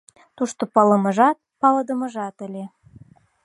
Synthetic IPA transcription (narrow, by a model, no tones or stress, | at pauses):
t̪uʃt̪opɑləmə̆ʒɑt̪̚pɑləd̪ə̆mə̆ʒɑt̪ə̆lʲe